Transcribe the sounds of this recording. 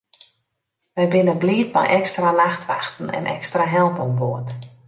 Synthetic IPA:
ʋɛjbɪnənbliːt̚ma̰jʔɛkstralaxtʋaxtən̩ɛ̰nʔɛ̰kstraɦɛlˠpɔnboət

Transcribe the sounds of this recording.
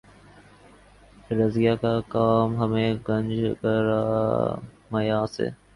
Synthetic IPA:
ɾəzɪjaːkakaːmɦəmẽːɡə̃nd͡ʒʱkəɾaː | məjaːsḛː

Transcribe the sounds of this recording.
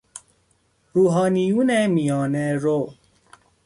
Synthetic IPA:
ɾuɦaniunɛmiɔ̃nɛɾo

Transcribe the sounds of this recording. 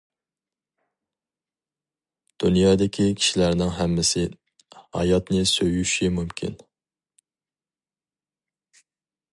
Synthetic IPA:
d̪̥unjɑːd̪ɪkʲʰikʲʰi̥ʃilæɾnɪŋɦæmːɪsɪ | hɑ̰jɑt̪nɪsøjyʃimumkʲʰḭn

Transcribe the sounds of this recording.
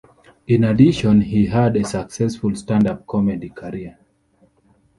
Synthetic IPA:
ĩnadiʃɔ̃nhiɦadesaksɛsfulstãndap̚kʰɔmɛdikʰaɹiə

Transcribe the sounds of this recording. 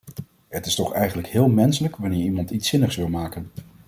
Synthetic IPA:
ɦətɪstɔχɛjχənləkɦɪːlˠmɛnsələkʋanɪːɹimɑntitsɪnəχsʋɪlˠmaːkən

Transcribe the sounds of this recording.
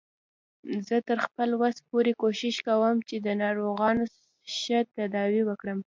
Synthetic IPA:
zət̪əɾxpəlwaspoɾekoʃɪʃkawəmt͡ʃed̪ənɑɾoɣɑno | ʃət̪ad̪ɑwiwəkɽəm

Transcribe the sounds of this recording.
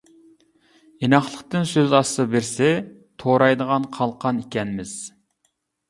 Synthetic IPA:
enɑχlˠəqt̪ɨnsøzɑsɨbɪɾsɛ | t̪ʰoɾɑjd̪əʁɑnqʰɑlˠqʰɑnikʲɛnɪmɪz̥

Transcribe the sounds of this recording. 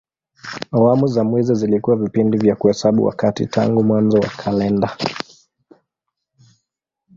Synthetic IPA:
awamuzamwɛzizilikuwavipindivjakuhɛsaɓṵwa̰katḭtʰa̰ŋɡumwanzɔwa̰kʰalɛnda

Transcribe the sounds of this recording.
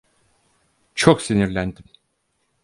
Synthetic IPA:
t͡ʃʰoksiniɾlʲænd̪im

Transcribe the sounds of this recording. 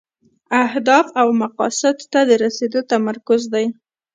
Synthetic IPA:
ahd̪ɑfawmaqɑ̰sɪd̪ːad̪əɾased̪ot̪amaɾkʊzd̪aj

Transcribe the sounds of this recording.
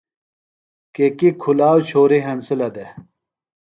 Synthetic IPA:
kekikʰulaːwt͡ɕʰoːɾiɦɐnsilɐd̪e

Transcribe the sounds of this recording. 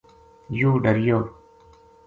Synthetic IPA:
juːɖəɾjoː

